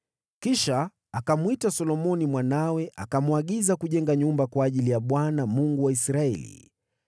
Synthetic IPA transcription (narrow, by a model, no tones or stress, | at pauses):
kiʃa | akamwitasɔlɔmɔnimwanawɛʔa̰kamuaɠizakuʄɛŋɡaɲumbakwaːʄilijaɓwanamuŋɡuwaisɾaɛ̰lḭ